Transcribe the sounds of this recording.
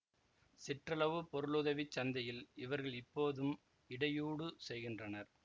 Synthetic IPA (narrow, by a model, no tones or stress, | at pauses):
sɪʈrɐlɐʋɯpɔɾɯɭuðɐʋit͡ʃːɐnd̪ɐjɪlɪʋɐɾɣɐɭɪpːoːðɯm | ɪɽɐjuːɽɯsɛjɣɪndrɐnɐɾ